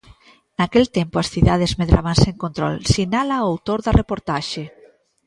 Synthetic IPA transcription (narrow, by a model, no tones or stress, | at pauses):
nakelt̪empoasθiðaðezmeðɾʔa̰βanseŋkõnt̪ɾɔ̰lsinalaoawt̪oɾðɐrepoɾt̪aʃe